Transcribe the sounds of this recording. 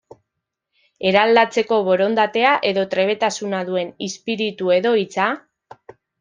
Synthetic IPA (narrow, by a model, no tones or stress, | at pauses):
e̞ɾald̪at͡se̞ko̞βo̞ɾo̞nd̪at̪e̞aʔe̞ðo̞t̪ɾe̞β̞e̞t̪asunaðue̞nispiɾit̪ue̞ðo̞it͡sa